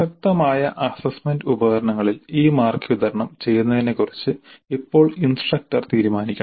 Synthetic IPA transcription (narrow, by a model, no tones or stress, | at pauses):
ɕɐk̚t̪ɐmaːjɐʔɐsɐsmendubɐɣɐɾɐɳɐŋːɐɭiliːmaːrkid̪ɐɾɐɳɐmt͡ɕe̞jːunːɐðine̞kurit͡ɕːɨipːo̞ːɭinsʈrɐk̚ʈɐrt̪iːɾumaːnikʲːɳ